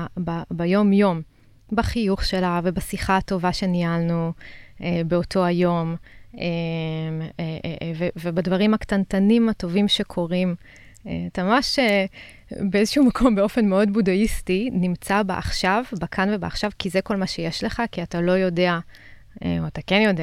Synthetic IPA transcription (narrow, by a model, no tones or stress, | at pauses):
babajo̞mjo̞m | baχijuχʃe̞lave̞basiχato̞vaʃe̞nialnuebeo̞tʰo̞ajo̞memevevebadvaʁimaktantanimato̞vimʃe̞kʰo̞ʁim | ḛatamamaʃe | beezeʃuumakʰo̞mbe̞o̞fe̞nmeo̞dbudaistinimt͡sabeʔa̰χʃavbakʰanvebaaχʃavkizeko̞lmaʃe̞jeʃle̞χakiatalo̞jo̞dea | ḛoatakenjo̞de